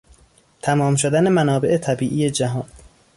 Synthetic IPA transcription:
t̪ʰæmɒːmʃod̪æne̞mænɒːbe̞ʔet̪ʰæbiːʔiːje̞d͡ʒæɦɒːn

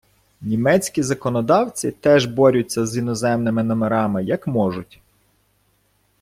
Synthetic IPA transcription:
nʲimɛt͡sʲkʲizɐkɔnɔd̪ɑwt͡sʲit̪ɛʒbɔɾʲʊt͡sʲːɐzinɔzɛmnɪmɪnɔmeɾɑmɪjɐkmɔʒʊtʲ

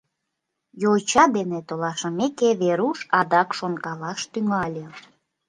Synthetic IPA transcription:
jot͡ɕɑd̪enet̪olɑʃə̆mekeβeɾuʃɑd̪ɑkʃonkɑlɑʃt̪yŋɑlʲe

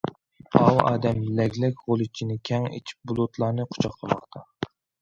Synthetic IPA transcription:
ɑwɑ̰ːd̪ɛmlɛɡʲlɛkʲʁolˠɨt͡ʃʰinɪkʲʰɛŋḛt͡ʃʰi̥p̚bulˠut̪lˠɑːnɨqʰʊ̥t͡ʃʰɑqqʰəmɑχt̪ʰɑ

